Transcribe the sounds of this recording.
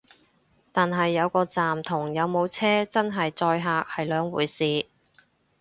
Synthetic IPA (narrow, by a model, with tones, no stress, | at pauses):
t̪aː˨nɦɐ˨jːɐ˨˧wkɔː˧t͡saː˨mt̪ʰʊ˨˩ŋjɐ˨˧wmo˨˧wt͡sʰɛː˥t͡sɐ˥nɦɐ˨jt͡sɔː˧jɦaː˨˧k̚hɐ˨jlœː˨˧ŋwuː˨˩jsiː˨